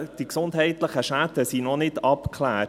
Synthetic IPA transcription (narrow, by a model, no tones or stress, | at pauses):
d̥iksʊndɦɛɪt̪ləχəʃædəsinɔnɪdɑpkʰlæː